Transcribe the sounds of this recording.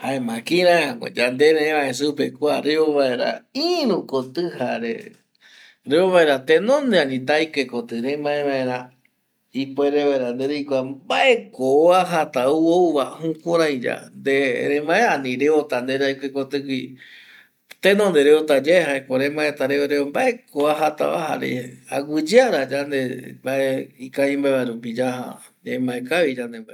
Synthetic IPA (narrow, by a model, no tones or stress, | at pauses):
haemãkĩɾãeãŋḛ̃d͡ʒand̪eɾeẽβães̬upekʷaɾeoβaeɾa̰ĩɾũkot̪ɨhaɾḛ | ɾeoβaeɾat̪enõnd̪eanĩt̪̬ajkekot̪ɨɾẽmãẽβãẽɾã | ipeɾeβaeɾand̪eɾejkʷambaʔekoaɦat̪auouβahũkõɾãj̃d͡ʒa̰nd̪eɾẽmãeanĩɾeot̪and̪eɾaikekot̪ɨkʷi | t̪ẽnõnd̪eɾeot̪ad͡ʒaeɦaekoɾẽmãet̪aɾeoɾeombaʔe̞koaɦat̪a̰βa̰ha̰ɾḛaɡʷɨd͡ʒɨaɾad͡ʒand̪ebaeikaĩmbaeβaɾup̬id͡ʒaha̰ | emãẽkaβid͡ʒand̪emba